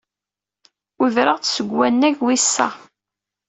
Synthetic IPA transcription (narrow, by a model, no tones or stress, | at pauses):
ʊðɾəʁt͡ssəɡːænːæʝwisːæ̰